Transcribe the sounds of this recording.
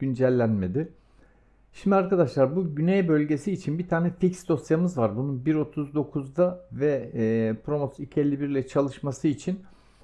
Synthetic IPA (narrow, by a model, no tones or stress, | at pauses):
ynd͡ʒælʲːænme̞d̪ɪ | ʃimd̪iaɾkad̪aʃlˠaɾbuɟynejbø̞lʲɟe̞siːt͡ʃʰinbit̪ʰaːnɛficsd̪o̞sjamɯzvaɾbununbiɾo̞t̪ʰuzd̪o̞kʰuzd̪avɛːpɾo̞mosicʰɛɾlʲːibiɾlʲɛt͡ʃʰalˠɯʃmasɯit͡ʃʰin